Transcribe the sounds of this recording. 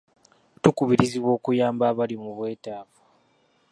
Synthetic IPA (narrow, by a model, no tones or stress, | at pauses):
tukuβiɾiziβwo̞ːkujaːmbaːβalimuβwe̞ːtaːvḁ